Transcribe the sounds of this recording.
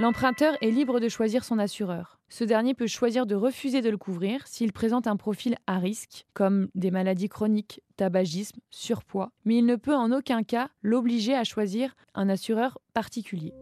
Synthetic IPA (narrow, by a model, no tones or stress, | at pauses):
lɑ̃pχɛ̃t̪œʁɛlibʁəd̪əʃwaziʁsɔ̃nasyʁœːʁ | səd̪ɛʁnjepøʃwaziʁd̪əʁəfyzed̪ələkʰuvʁiːʁsiːlpχezɑ̃t̪ɛ̃pχɔfilaʁiskkɔmd̪emalad̪ikχɔnikt̪abaʒismsyʁpwamɛilnəpøɑ̃nokʲɛ̃kalobliʒeaʃwaziʁ | ʔɛ̃nasyʁœʁpaʁt̪ikʲylje